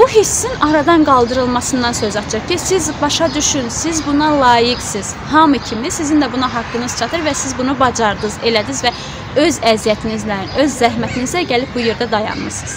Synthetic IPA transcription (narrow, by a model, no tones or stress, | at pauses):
buɦisːinɑɾɑd̪ɑnɡɑlˠd̪ɯɾɯlˠmɑsɯnd̪ɑnsø̞zɑt̪ʰd͡ʒɯχcʰisizbɑʃɑd̪yʃynsizbunɑlˠɑːjiɡsiz̥ | hɑmɯcʰimisizind̪æbunɑɦɑkːɯnɯz̥t͡ʃʰɑt̪ʰɯɾvæsizbunubɑd͡ʒɑɾd̪ɯze̞læd̪izvæ | ø̞zæzijæt̪ʰinizlæø̞zːæɦmæt̪ʰinizæɟælip̚bujeɾd̪æd̪ɑjɑ̰nmɯɾsɯz̥